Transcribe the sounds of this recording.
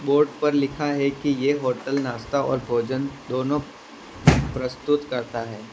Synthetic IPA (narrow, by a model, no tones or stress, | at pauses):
boːɾɖpɐɾlɪkʰaɦɛkijeɦoːʈəlnaːst̪aɔ̰ːɾbʱoːd͡ʒənd̪oːnõ | pɾɐst̪ʊt̪kɐɾt̪aɦɛː